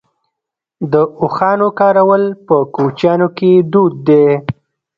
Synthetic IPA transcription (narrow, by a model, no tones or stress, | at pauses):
d̪əʊxɑnokɑɾawəlpəkot͡ʃjɑnoked̪ud̪̚ːe